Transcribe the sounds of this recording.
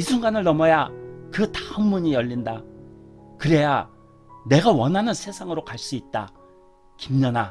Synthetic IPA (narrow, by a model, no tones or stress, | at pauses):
isʰuŋɡanɯɭnʌmʌjakɯtḁɯmːuɲijʌʎːinda | kɯɾe̞ja | ne̞ɡawʌnɦanɯnsʰe̞sʰaŋɯɾokaɭs͈uit̚t͈a̰ | kimɲʌna